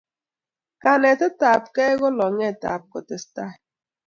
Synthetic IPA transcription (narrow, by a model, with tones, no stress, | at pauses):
ka˨ne˨tʊ˦ta˨pke˦ɣʊ˦lɔ˨ŋe˦˨ta̰˨p̚kɔ˨te˦sta˦˨